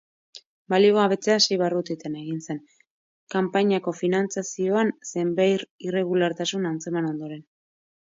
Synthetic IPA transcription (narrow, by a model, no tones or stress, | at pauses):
baliɣoaβe̞t͡seasejβarut̪it̪eneɣinse̞n | kampaɲako̞finant͡sasio̞anse̞mbajɾire̞ɣulaɾt̪asunant͡se̞mano̞nd̪o̞ɾe̞n